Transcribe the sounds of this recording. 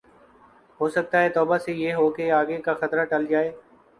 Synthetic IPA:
ɦoːsək̚t̪aːɦɛːt̪ɔːbaːseːjeːɦoːkeːaːɡeːkaːxət̪ɾaːʈəld͡ʒaːeː

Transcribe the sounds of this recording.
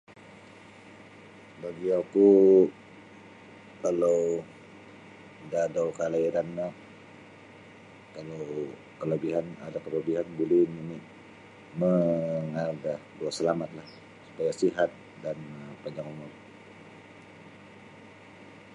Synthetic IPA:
baɡiaku | kalo | dadawkalaiɾanːa | kalow | kələbiɦana̰dakələbiɦanbulɛhminɪʔ | məŋaɡahduaʔsəlamat̪̚lah | su̥pajasiɦat̪̚ | danpaɲd͡ʒaŋumʊm

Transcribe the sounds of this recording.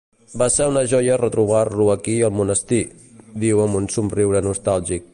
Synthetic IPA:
basɛunəʒɔjərət̪ɾuβ̞aluəkiəlˠmunəst̪i | ðiwəmunsumriwɾənust̪alˠʒik̚

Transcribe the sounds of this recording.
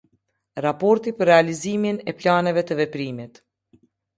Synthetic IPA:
ɾapɔɾt̪ipəɾːɛaliziminɛplanɛvɛt̪əvɛpɾimit̪

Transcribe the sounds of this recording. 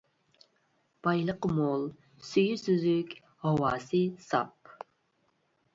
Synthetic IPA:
b̥ɑjlˠəqmolˠ | syjysyzykʲ | hɑwɑːsɨsɑ̰p̚

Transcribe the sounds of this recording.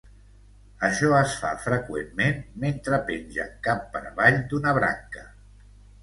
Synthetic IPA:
əʃɔəsfa̰fɾəkwḛmːenment̪ɾəpenʲʒə̰kapːəɾβaʎd̪unəβɾa̰ŋkə

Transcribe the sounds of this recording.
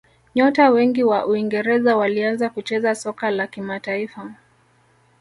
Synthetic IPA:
ɲɔtawɛŋɡiwaʔuiŋɡɛɾɛzawalianzakut͡ʃɛzasɔkalakimataifa

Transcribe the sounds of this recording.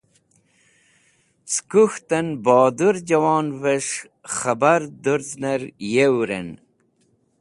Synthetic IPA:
skuxt̪ɐnbɑːd̪uɾd͡ʒɐwɑːnveʂ | χɐbaɾd̪uɾznɐɾjewɾḛn

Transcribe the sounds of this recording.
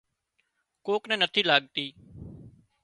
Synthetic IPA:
koːknɛ̃ːnət̪ʰiːlaːɠt̪iː

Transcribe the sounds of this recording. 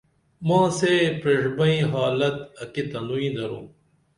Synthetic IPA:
mãːsepɾeʂbɐĩɦaːlɐt̪ɐkit̪ɐnuĩd̪ɐɾṵ̃ː

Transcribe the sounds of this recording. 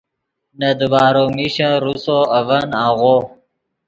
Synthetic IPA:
nɐd̪baːɾomiɕãɾusoɐvɐnãːɣo

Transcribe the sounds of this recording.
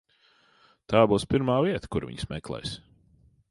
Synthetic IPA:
t̪aːbuːspiɾmaːviɛt̪ə̥kṵɾvḭɲsmɛklˠɛ̰js

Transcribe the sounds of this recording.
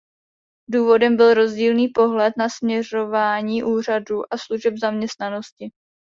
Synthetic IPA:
duːvo̞dɛmbɪlɾo̞zɟiːlniːpo̞ɦlɛt̪nasmɲɛr̝o̞vaːɲiːʔuːr̝aduːʔasluʒɛbzamɲɛst̪nano̞scɪ

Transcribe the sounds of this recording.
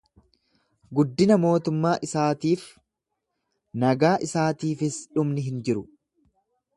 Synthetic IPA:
ɡʊd̪ːɪnɐmo̞ːt̪ʊmːaːʔɪsaːt̪iːf | nɐɡaːʔɪsaːt̪iːfɪsᶑʊmnɪɦɪnd͡ʒɪɾʊ

